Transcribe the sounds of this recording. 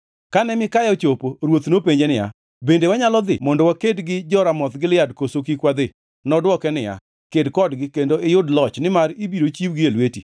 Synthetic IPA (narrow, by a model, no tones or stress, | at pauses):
kanɛmɪkajɔt͡ʃopoɾwot̪nopeɲd͡ʒenɪja̰ | bendewaɲalɔd̪ɪ̰mɔndɔwakedɡɪd͡ʒɔɾamɔt̪ɡɪlɪjadkosokikwad̪ɪ | nɔdwɔkɛnɪja̰ | kedkɔdɡɪkendoɪjʊdlɔt͡ʃnɪmaɾibiɾot͡ʃibɡɪelweti